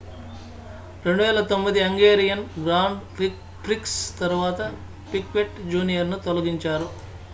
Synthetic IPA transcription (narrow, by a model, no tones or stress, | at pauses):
ɾe̞ɳɖuʋɛːlɐt̪o̞mːid̪iɐŋɡeːɾijɐnɡɾaːɳɖi | pɾikst̪ɐɾuʋaːt̪ɐ | pikʋeʈd͡ʒuːnijɐɾnut̪olɐɡiɲt͡ʃaːɾu